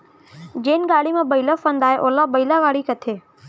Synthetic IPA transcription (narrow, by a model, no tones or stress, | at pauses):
d͡ʑeːnɡaːɽimãːbəɪlafə̃nd̪aːɦeʔoːlabəilaʋaːɽikɐt̪ʰeː